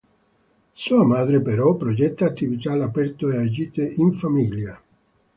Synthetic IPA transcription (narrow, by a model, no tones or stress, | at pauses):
suːamaːd̪ɾepeɾɔpːɾod͡ʒɛt̪ːaːt̪ːivit̪alapɛrt̪oead͡ʒiːt̪eʔiɱfamilja